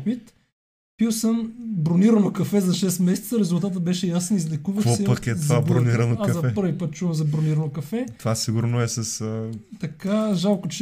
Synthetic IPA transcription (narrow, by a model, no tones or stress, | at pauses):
pit̪ | pilˠsəmbɾoniɾɐnokɐfɛzɐʃɛst̪mɛsɛ̥t̪səɾɛzulˠt̪at̪əbɛʃɛjasɛnizlɛkuvəvosɛpɐkɛt̪vabɾoniɾɐnok̪ːɐɛpɤɾvipət̪̚t͡ʃuvəmzɐbɾoniɾɐnokɐfɛt̪vasiɡuɾnoɛsɐst̪ɐkaʒalˠkot͡ʃ